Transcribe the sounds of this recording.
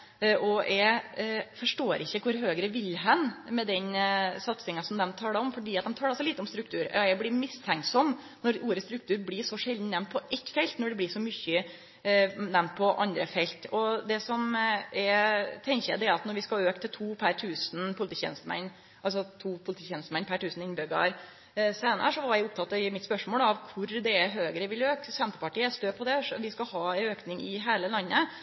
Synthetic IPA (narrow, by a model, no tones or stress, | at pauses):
ʔɔɛɪfɔʂʈoːɾɪçːəkʰʊɾɦøːɡɾəʋɪlɦɑnmɛd̪ɛnsɑt̪sɪŋɑsɔmd̪ɛmt̪ʰɑːɛɔmfɔɖiːɑt̪̚d̪ɛmt̪ʰɑːlɑsɔliːt̪əɔmst̪ɾʉk̚t̪ʰʉːɾɛɪblɪmɪst̪ʰæŋksɔm | nɔɾuːɾəst̪ɾʉk̚t̪ʰʉːɾblɪːʂɔʂɛld̪n̩nɛmnt̪̚pʰɔʔɛt̪ːfɛlt̪nɔɖɛblɪːʂɔmʏçə | nɛmnt̪̚pʰɔʔɑ̰nd̪ɾəfɛlt̪ɔd̪ɛsɔmɛt̪ʰɛŋçəjæd̪ɛæɾɑt̪nɔɾʋɪskɑøːkt̪ʰɪlt̪ʰuːpʰæɾʈ̪ʰʉːsnpʰʊlɪt̪iːçɛ̰nst̪əmɛ̰nː | ʔɑls̬ɔt̪ʰuːpʰʊlt̪ʰiːçɛnst̪əmɛnːpʰæʈʉːsn̩ɪnbʏɡɑ̰ɾ | seːnə̰ɾəʂɔʋɑɾjæɪʊp̚t̪ʰɑt̪ɑɪmɪt̪spœʂmoːlɑʋkʰʊɾd̪ɛːɦøːɡəɾəʋɪløːksɛnt̪əpɑʈiːɛst̪øːpʰɔd̪ɛʋɪskɑhɑːɛøːknɪŋɪɦeːləlɑnːə